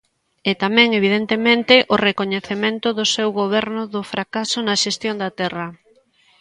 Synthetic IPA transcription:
ɛt̪amɛ̃ŋeβ̞iðent̪emẽnt̪ɪʔorekoɲeθemẽnt̪ʊðʊsewɣoβ̞ɛɾnʊðʊfɾakasʊnaʃest̪jond̪ɐt̪ɛrɐ

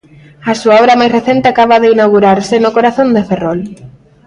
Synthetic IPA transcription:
ɐsuaɔɾɐmajsreθent̪eakaβaðeinawɣuɾaɾsɪnʊkoɾaθõnd̪eferɔl

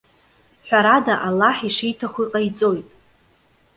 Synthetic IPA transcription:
ħʷᶣaɾadaʔalːaħiʂijtʰaχʷiqʼajt͡sʼo̞jtʼ

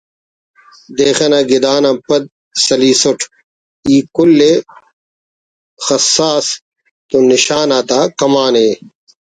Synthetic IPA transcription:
d̪eːxenaɡid̪aːnãpɐd̪̚ | sɐliːsoʈʰ | iːkulːe | xɐsːaːs | t̪oniɕaːnaːt̪aːkɐmaːneː

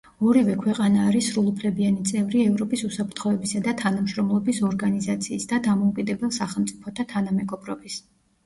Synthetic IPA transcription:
ɔɾivɛkʰwɛqʼanaːɾisɾulˠupʰlɛbianit̪sʼɛvɾiɛvɾɔpʼisusapʰɾt̪ʰχɔɛbisad̪at̪ʰanamʃɾɔmlˠɔbisɔɾɡanizat̪sʰiːsd̪ad̪amɔukʼid̪ɛbɛlˠsaχɛlˠmt̪sʼipʰɔt̪ʰat̪ʰanamɛɡɔbɾɔbis

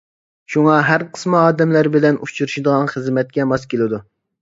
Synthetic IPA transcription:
ʃuŋɑɦæɾqʰə̥smɨɑːd̪ɛmlæɾbɪlɛnut͡ʃʰuɾuʃid̪əʁɑnχəzmɛt̪̚kʲɛmɑskʲelˠɪd̪u

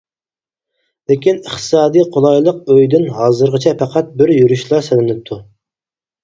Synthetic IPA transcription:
lekʲinəχt̪ʰɨ̥sɑːd̪ijqʰolˠɑjlˠəq̚øjd̪ɪnɦɑːzɨɾʁət͡ʃʰɛpʰæqʰɑt̪̚bɪɾjyɾyʃlˠɑsɪlɪnɪp̚t̪ʰu

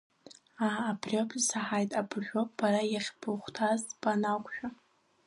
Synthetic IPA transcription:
aːbrʲopʰsaħajtʼabʒʲʷᶣopbaɾajaχʲbʰɨχʷtʰazpʼanakʷʰʼʃᶣa

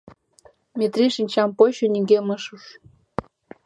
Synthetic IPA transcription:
mʲet̪riʃinʲt͡ɕɑmpoɕonʲiŋɡemɤʃuʃ

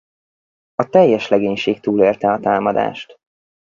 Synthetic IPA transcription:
ɒt̪ɛjːɛʃlɛɡeːɲʃeːk̚t̪uːleːrt̪ɛɒt̪aːmɒd̪a̰ːʃt̪

